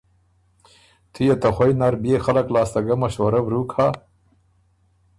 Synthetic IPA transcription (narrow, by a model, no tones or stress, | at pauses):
t̪ʰijet̪axwajnaɾbjexaləklɑːst̪aɡamaʃwaɾabɾukʰa